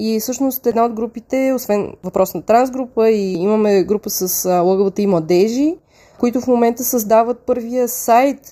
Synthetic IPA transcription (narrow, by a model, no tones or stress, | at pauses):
isɤʃnost̪ɛd̪naod̪ɡɾupit̪ɛosvɛnvɐpɾʔɔsnɐt̪ɾanzɡɾupəiiməmɛɡɾupəsəslˠɤɡəvət̪əimlˠɐd̪ɛʒi | kʊit̪ʊfmomɛnt̪əsɐzd̪avət̪̚pɤɾvijəsajt̪